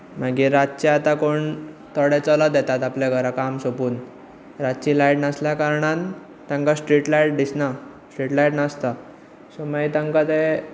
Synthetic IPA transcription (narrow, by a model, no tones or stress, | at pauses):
m̤aɡiɾat̚t͡ɕeat̪akoɳ | t̪əɽɛt͡sɔlad̪jɛt̪at̪aplaɡəɾakamsopuːn | ɾatt͡ɕilajʈnəsljakaɾɳan | t̪ãŋkasʈɾiʈlajʈ̚d̪isna | sʈɾiʈlajʈnəst̪a | somait̪ãŋkat̪e